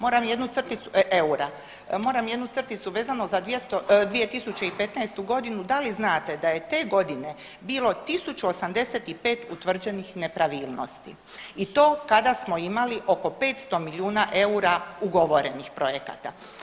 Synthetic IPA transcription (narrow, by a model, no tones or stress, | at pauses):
mo̞ːɾamje̞d̪nut̪sr̩t̪it̪sueuɾa | mo̞ːɾamjed̪nut̪r̩t̪it̪suʋe̞ːzanozad̪ʋjest̪od̪ʋije̞t̪isut͡ɕeipe̞t̪naest̪uɡo̞d̪inud̪aliznaːt̪e̞d̪ajet̪e̞ːɡo̞d̪ine̞ | biːlo̞t̪isut͡ʃuo̞samd̪e̞se̞t̪ipe̞ːt̪ut̪ʋr̩d͡ʑe̞nixne̞pɾaʋiːlˠno̰st̪ḭ | it̪o̞ːkad̪asmo̞imaliʔo̞ko̞pe̞ːt̪st̪o̞milʲiuːnaʔe̞uɾauɡo̞ʋo̞ɾe̞nixpɾo̞je̞ka̰t̪a̰